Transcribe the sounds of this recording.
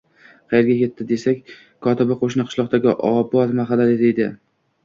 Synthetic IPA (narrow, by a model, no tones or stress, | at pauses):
qʰɑjeɾɡʲakʲe̞t̪ʰːɪd̪e̞sakʲ | kʰɒt̪ɪbɪqʰoʃnɪqʰɨ̥ʃlˠɒqt̪aɡʲɪʔɒ̰pɒt̪maχɑd̪aled̪ejd̪ɪ